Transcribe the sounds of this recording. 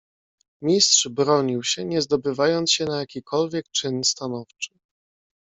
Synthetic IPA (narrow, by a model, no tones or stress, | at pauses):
mʲistʂbɾɔɲiwɕɛɲɛzd̪ɔbɘvajɔnt̪sɕɛnajakʲikʰɔlvʲjɛk̚t͡ʂɘnst̪anɔft͡ʂɘ̥